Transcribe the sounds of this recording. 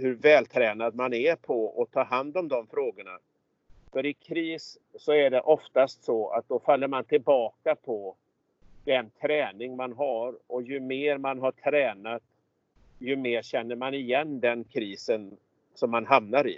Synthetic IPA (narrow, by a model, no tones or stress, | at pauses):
hɵɾvɛːlt̪ʰɾɛːnad̪̚manæpʰɔɔt̪ʰɑːɦand̪ɔmd̪ɔmfɾoːɡəɳa̰ | fœɾɪkʰɾiːsː | ɔæɖɛʔɔft̪ast̪sɔa̰t̪̚d̪ɔfalːəɾmant̪ʰɪlbɑːkapʰɔ | d̪ɛnt̪ʰɾɛːnɪŋmanɦaɾɔjɵmeːɾmanɦaʈʰɾɛːnat̪ | jɵmeːɾɕɛnːəɾmanɪjɛnːd̪ɛnkʰɾiːsən | sɔmːanɦamnaɾɪ̰